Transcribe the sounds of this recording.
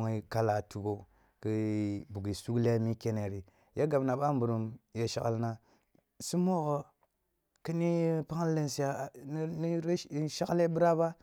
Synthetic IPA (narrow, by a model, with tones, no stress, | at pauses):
ŋi˦ka˦la˨tu˨ɡo˦ | ki˦bu˨ɡi˨su˦kle˦mi˦ke˦ne˨ɾi˨ | ja˦ɡa˨bna˨ɓa˦m˦bu˨ɾu˨mje˨ʃa̰˦ka̰˦lna˦ | si˦mo˦ɣo˨ | ki˦ni˦pa˦ŋ˦le˦nsi˨ja˨˦ni˦ɾe˦ʃa˦kle˦bɨ˦ɾa˦ba˦